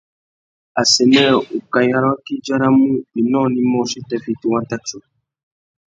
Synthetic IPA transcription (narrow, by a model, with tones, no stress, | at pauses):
a˨sɛ˨nɛ̃˦˨u˨ka˨ja˨ɾa˦ki˦d͡ʒa˦ɾa˦mũ˦i˨nɔ̃˦˨nĩ˦mɔ̃˦˨si˦tɛ˨fi˨tu˨wã˦ta˦t͡ʃo˨